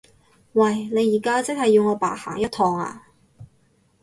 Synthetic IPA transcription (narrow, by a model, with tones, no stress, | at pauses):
wɐ˥˩jne˨˧jiː˨˩kaː˥t͡sɪ˥k̚hɐ˨jːiː˧wŋɔː˨˧pa̰ː˨˥ha̰ː˨˩ŋjɐ˥t̪̚ʰɔː˧ŋa̰ː˧